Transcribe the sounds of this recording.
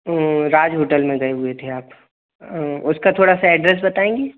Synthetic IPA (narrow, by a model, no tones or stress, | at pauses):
ɾaːd͡ʒɦoːʈəlmẽɡɐeɦʊet̪ʰeaːp | ʊskat̪ʰoːɽasaɛɖɾɛs̬bɐt̪aːẽːŋɡeː